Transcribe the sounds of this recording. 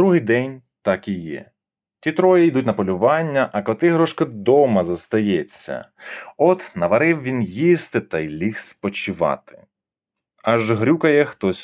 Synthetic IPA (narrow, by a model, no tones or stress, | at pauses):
d̪ɾuɦɪjd̪ɛnʲ | t̪ɑkijɛ̰ | tʲit̪ɾɔjijd̪utʲnɐpɔlʲʊʋɑnʲːɐʔɐkɔt̪ɪɦɾɔʃkɐd̪ɔmɐzɐst̪ɐjɛt͡sʲːɐ̰ | ɔt̪nɐʋɐɾɪwʋʲinjist̪ɪt̪ɐjlʲixspɔt͡ʃɪʋɑ̰t̪ɪ̥ | ɐʒɦɾʲukɐjɛxt̪ɔsʲ